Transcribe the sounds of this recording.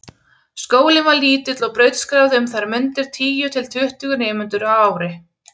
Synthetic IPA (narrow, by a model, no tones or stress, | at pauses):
skoːwlɪnvaliːt̪ɪt̪lɔɣpɾœɥt̪skɾawðɪʏmθaɾmʏnt̪ɪɾ̥t̪ʰiːjʏt̪ʰɪlt̪ʰʏht̪ʏɣʏnɪːmʏnt̪ʏɾawaːwɾɪ